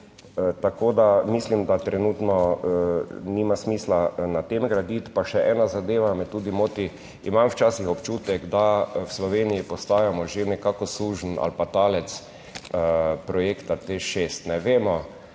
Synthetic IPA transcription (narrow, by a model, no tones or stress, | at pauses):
t̪akoːd̪amislimd̪at̪ɾɛnut̪nɔ | nimasmiːslanat̪emɡɾad̪it̪paʃɛʔɛːnazad̪eːʋamɛt̪ːuːd̪imot̪i | imamwt͡ʃaːsixɔpt͡ʃuːt̪ɛɡd̪awslɔʋenijipɔst̪aːjamɔʒenɛkaːkɔsuːʒn̩a̰lpat̪aːlɛt̪s | pɾɔjeːkt̪at̪eʃeːst̪nɛʋeːmɔ